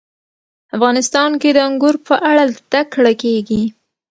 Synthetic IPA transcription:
afɣɑnɪst̪ɑnked̪əaŋɡʊɾpəʔaɽat̪akɽakeɡi

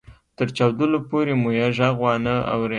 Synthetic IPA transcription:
t̪əɾt͡ʃɑwd̪əlopoɾemojaʒaɣɣwɑnəa̰wɾe

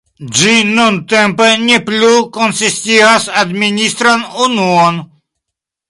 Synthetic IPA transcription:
d͡ʒinunt̪empeneplukonsist̪iasad̪minist̪ɾanunuon

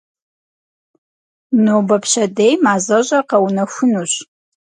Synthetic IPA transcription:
noːbɐpʰɕɐdejmaːzɐʑʼɐqɐwnɐxʷʊnuɕ

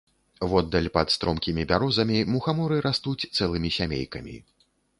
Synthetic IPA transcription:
vɔd̪ːɐlʲpɐt̪st̪ɾʔɔmkʲimʲibʲaɾɔzɐmʲimuxamɔɾɨɾʔast̪ut͡sʲt̪sɛlˠɨmʲisʲamʲḛjkɐmʲḭ

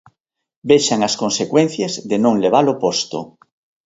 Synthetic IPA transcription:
beʃaŋaskonsekwẽn̟θjezðenõŋleβ̞alopost̪o̰

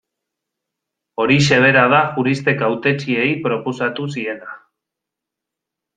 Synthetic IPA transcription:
o̞ɾiʃe̞β̞e̞ɾað̞axuɾist̪e̞kawt̪e̞t͡ʃie̞jpɾo̞po̞sat̪usie̞na

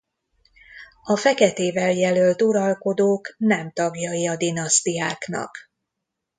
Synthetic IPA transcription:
ɒfɛkɛt̪eːvɛljɛlølt̪uɾɒlko̞d̪oːknɛmt̪ɒɡjɒiɒd̪inɒst̪ijaːknɒ̰k

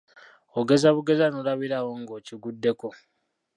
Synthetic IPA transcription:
oɡe̞zaβuɡe̞zanolaβiɾawo̞ŋɡoːciɡudːe̞ko̞

